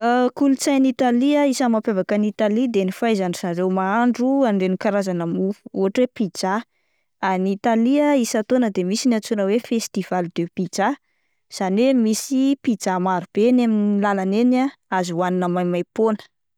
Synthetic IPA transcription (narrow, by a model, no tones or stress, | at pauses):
əkulut͡sajnit̪aliaisəmapevakanit̪alid̪enifajzanizaɾewmaaɳɖ͡ʐuaɳɖ͡ʐenikaɾazanəmuuɦaʈ͡ʂwepid͡ʒa | anit̪aliaisat̪onəd̪emisinat͡sunəwefest̪iv̥alid̪epid͡ʒa | z̥anemisipid͡ʒamaɾub̥enaminilalanenaazuwaninəmajmajponə̥